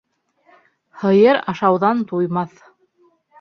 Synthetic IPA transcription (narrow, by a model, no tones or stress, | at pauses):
hɤ̆jɤɾɑʃɑwðɑnt̪ujmɑθ